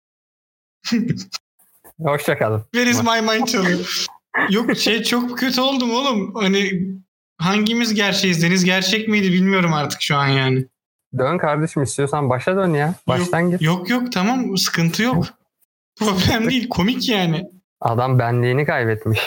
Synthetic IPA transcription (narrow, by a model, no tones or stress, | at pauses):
ho̞ʃjakalˠɯmve̞ɾizmajmajt͡ʃʰalˠɯjojokʃejt͡ʃʰo̞k̚cʰø̞t̪ʰyo̞lˠd̪umolˠumhanɪ | ɦaɲɟimizɟæɾt͡ʃʰejizd̪e̞nizɟæɾt͡ʃʰɛcmejd̪ibilʲmijo̞ɾumaɾt̪ʰɯ̥kʃuanjaːnɪ | d̪ønkʰaɾd̪aʃɯmist̪ʰijo̞sanbaʃad̪ønjajbaʃt̪ʰanɟijokjokt̪ʰamamsɯ̥kʰɯnt̪ʰɯjo̞k | pʰɾo̞blʲæmd̪ejilʲkʰo̞micjaːnɪ | a̰d̪ambænlʲiːnikʰajbɛt̪miʃ